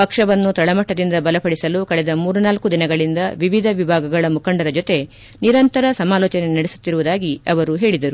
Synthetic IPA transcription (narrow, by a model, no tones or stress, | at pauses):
pɐkʂɐʋɐnːut̪ɐɭɐmɐʈːɐd̪ind̪ɐbɐlɐpɐɽisɐlukɐɭɛd̪ɐmuːɾunaːlkud̪inɐɡɐɭind̪ɐʋiʋid̪ʱɐʋibʱaːɡɐɡɐɭɐmukɐɳɖɐɾɐd͡ʒot̪e̞ | niɾɐnt̪ɐɾɐsɐmaːlɔːt͡ʃɐne̞nɐɽesu̥t̪ːiɾuʋud̪aːɡiɐʋɐɾuɦe̞ːɭid̪ɐɾu